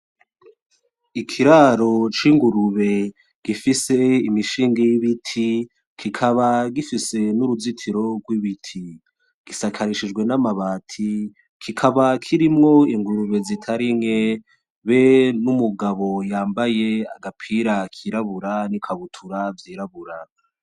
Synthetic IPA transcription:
ikʰiɾaɾo̞t͡ʃiŋɡuɾuβe̞ | ɡ̥ifise̞imiʃiːŋɡejiβitʰi | kʰikʰaβaɡifise̞nuɾuzitʰiɾo̞ɡwiβitʰi | ɡ̥isakʰaɾiʃid͡ʒɡwe̞namaβaːtʰi | kʰikʰaβakʰiɾimŋo̞iŋɡuɾuβe̞zitʰaɾiŋe̞ | βe̞numuɡaβo̞jaːmbaje̞a̰ɡapʰiɾakʰiɾaβuɾanikʰaβutʰuɾavjiːɾaβuɾa

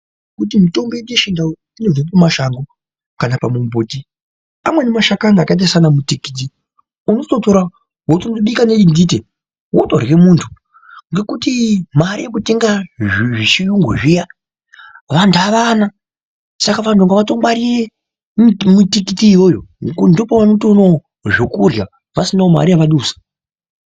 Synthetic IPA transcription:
kut̬imito̞mbeɗeʃinda | inovepumaʃaŋɡo | kanapamumboːti | amwe̞nemaʃakaŋɡakait̬asanamutikit̬i | unototo̞ɾa | wotondoɓikaneɗindit̬e | woto̰rɣe̞muntʰu | ŋɡe̞kutimaɾijekuteŋɡaiʐiʃijuŋɡṵʐija | ʋantʰuaʋana | sakaʋantʰuŋɡaʋato̞maɾire | mutikitiːwojondopoʋanotono | ʐokurja | ʋasinaoma̰ɾijaʋaɗuːsḁ

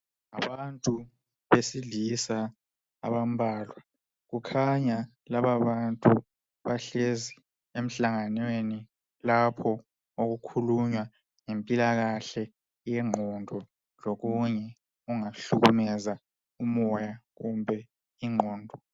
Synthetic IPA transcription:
a̰βantʼu | βesilisa | a̰βam̩bʱaːlwa | ɣukʰaɲa | laβaβantʼu | βaɬezi | em̩ɬaŋanweni | lapʰɔ | oɣukʰuluɲwa | ŋempʼilaɣaɬɛ | jɛŋ͡ǃʱɔndʱɔ | loɣuɲɛ | uŋaɬuɣumɛza | umɔjaɣumbʱɛ | iŋ͡ǃʱɔːndʱɔ

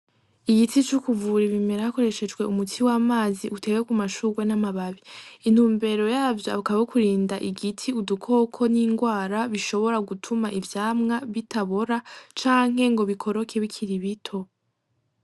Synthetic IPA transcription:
iɡitit͡ʃukuvuɾiβime̞ɾahako̞ɾe̞ʃe̞d͡ʒɡwe̞umutʰiwamaːziʔute̞ɡwekumaʃuɡwe̞namaβaβiːn̥huːmbe̞ɾo̞jaːvjoa̰βkaβaokuɾiːndaʔiɡitʰiudukʰo̞ːkʰo̞niŋɡwaːɾaβiʃo̞βo̞ɾaɡutʰumaʔivjaːmŋaβitaβo̞ɾat͡ʃaːŋ̥he̞ŋɡo̞βikʰo̞ɾo̞kʰe̞βikʰiɾiβitʰo̞

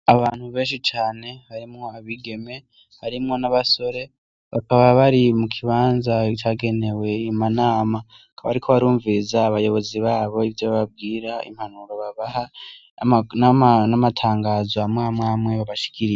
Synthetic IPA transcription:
aβaːn̥huβe̞ːnʃit͡ʃaːne̞βaɾimŋo̞aβiɡe̞me̞ | haɾimŋo̞naβaso̞ɾe̞ | βakaβaβaɾimukʰiβaːnzat͡ʃaɡe̞ne̞we̞imanaːma | akʰaβaɾikʰo̞βaɾuːɱvizaːβajo̞βo̞ziβaːβo̞ivjoβaβab̚ɡiːɾaḭm̥hanuɾo̞βaβaɦa | nanamatʰaːŋɡaːzoamŋaːmŋaːmŋe̞βaβaʃi̥kʰiɾije

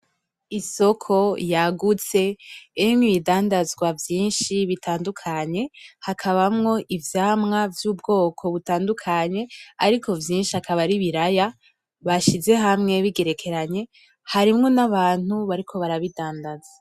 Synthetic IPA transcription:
iso̞kʰo̞jaɡut͡se̞imŋiidaːndazɡwavjiːnʃiβitaːndukʰaɲe̞hakʰaβamŋo̞ʔivjaːmŋavjuːbɡo̞ːkʰo̞βutaːndukʰaɲe̞aɾikʰo̞vjiːnʃiakʰaβaɾiβiɾaja | βaʃize̞ɦamŋe̞βiɡe̞ɾe̞kʰe̞ɾaɲe̞ | haɾimŋo̞naβaːn̥uβaɾikʰo̞βaɾaβidaːndazḁ

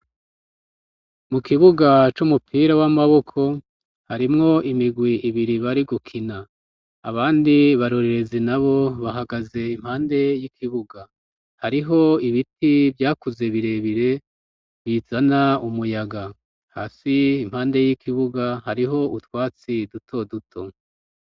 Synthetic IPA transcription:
mukiβuɡat͡ʃumupʰiːɾawamaβo̞kʰo̞ | haɾimŋo̞ʔimiɡwiʔiβiɾiβaɾiɡukʰina | aβaːndiβaɾo̞ɾe̞ɾe̞zinaβo̞βaɦaɡaze̞im̥haːnde̞jikʰiβuɡa | haɾiɦo̞iβitʰibjaːkuze̞βiɾe̞βiɾe̞ | βiz̥anaumujaɡa | ha̰ːsiːm̥haːnde̞jikʰiβuɡahaɾiɦo̞utwaːt͡sidutʰo̞dutʰo̞

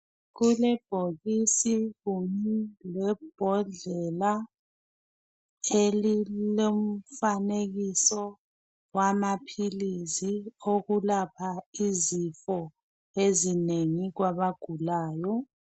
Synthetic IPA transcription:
ɣulɛb̥ʱoɣisiɣuɲɛlɛb̥ʱɔɮɛla | elilom̩faneɣisɔ | wamapʰilizioɣulapʰaizifɔ | ezineŋiɣwaβaɡ̥ʱulaːjɔ

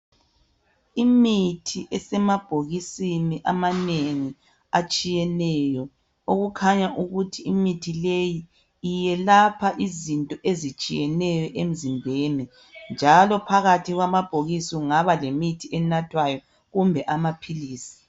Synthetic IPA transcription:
imitʰiʔɛsɛmab̥ʱoɣisiniʔamaneŋi | at͡ʃʼijɛnɛːjɔ | oɣukʰaɲaʔuɣutʰiːmitʰilejiː | jɛlapʰaʔizintʼɔʔezit͡ʃʼijɛnɛjɔʔem̩zimbʱeni | nd͡ʒʱalɔpʰaɣatʰiɣwamab̥ʱoɣisiuŋaβalemitʰiɛnatʰwajɔ | ɣumbʱɛʔamapʰiliːsi̥

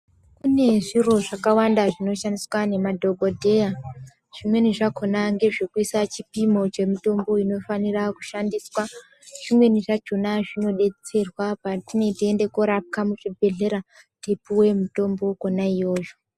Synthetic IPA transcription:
kune̞ʐiro̞ʐakawandaʐino̞ʃandiswane̞madʱo̞ɡʱodʱe̞ja | ʐ̥imwe̞niʐako̞naŋɡe̞ʐekuisat͡ʃipimo̞t͡ʃe̞mito̞mbo̞ino̞faniraku̥ʃandiswa | ʐ̥imwe̞niʐad͡ʒonaʐino̞ɗe̞t͡se̞rwapatine̞tiende̞koɾap̚kamuʐibʱe̞ɮe̞ɾa | tepuwe̞muto̞mbo̞konaijo̞ːʒo̥

